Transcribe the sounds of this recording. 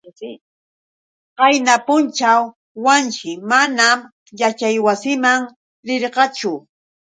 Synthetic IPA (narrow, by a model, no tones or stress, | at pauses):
qɑjnapʊnt͡ʃawː | ant͡ʃɪmanam | jat͡ʃajwasɪmaŋ | ɾɪɾqɑt͡ʃʊ